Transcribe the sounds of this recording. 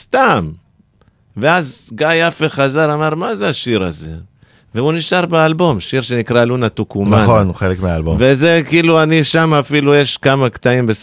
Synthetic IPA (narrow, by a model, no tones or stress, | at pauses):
st̪am | veazɡajafeχazalamaʁmazeaʃiʁaze̞̰ | veuniʃaʁbealbo̞mʃiʁʃe̞nikʁalunat̪ukumaχonχelekmeaːlbomvezekiːluaniʃamaːfilujeʃkamakt̪aimbes